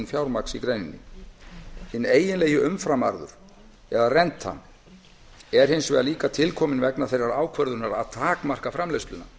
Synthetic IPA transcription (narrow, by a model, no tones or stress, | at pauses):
nfjawɾmaksikɾejnɪ̰nːɪ̰ | hɪnːeːjɪnleːjɪʔʏmfɾama̰ɾðʏ̰ɾ̥ | ɛðarɛnt̪ha̰n | ɛɾ̥hɦɪnsvɛːðaliːkat̪ʰɪlkʰɔːmɪnvɛknaθejraɾaːwkʰvœɾðʏɾnaɾa̰ðt̪ʰaːkmar̥kafɾamleɥst̪lʏna̰